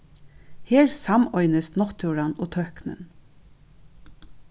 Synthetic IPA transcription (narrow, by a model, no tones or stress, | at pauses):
heːɹsɑmɔʏnəst̪nɔt̪ʰʉːɹɑnoːt̪ʰœhknə̰n